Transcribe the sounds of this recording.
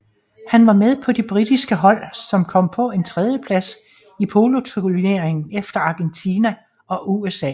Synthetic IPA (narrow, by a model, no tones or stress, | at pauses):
hænʋɑ̈með̞ˠpʰɒ̽d̥ib̥ʁid̥isɡ̥əɦɒ̽l̰sɒ̽mkʰɒ̽m̰pʰɒ̽e̝nt͡sʰʁɛð̞ˠjəpʰlæs | ipʰo̝ːlo̝t͡sʰuline̝ɐ̰eŋn̩efd̥ɐɑ̈ɡ̥ent͡sʰiːnæ | ɒ̽ʔuesɛ̰ː